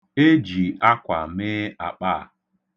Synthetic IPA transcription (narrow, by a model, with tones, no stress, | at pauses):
e˦d͡ʒi˨a˦kʷa˨mɪ˦a˨k͡pa˦˨